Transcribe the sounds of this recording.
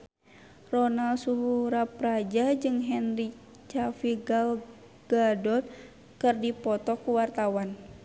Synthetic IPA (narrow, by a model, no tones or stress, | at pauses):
rɔnalsuɦuɾapɾad͡ʒad͡ʒɨŋɦɛnri | t͡ʃafiɡal | ɡ̥adɔt̪̚ | kərdipɔt̪ɔkuwart̪awan